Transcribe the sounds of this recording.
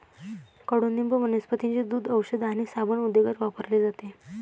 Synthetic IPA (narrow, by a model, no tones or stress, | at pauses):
kəɽond̪imbəʋənəspət̪iɲt͡ɕed̪uːd̪əwɕəd̪añisabəɳud̪eɡəɾʋapəɾled͡zat̪e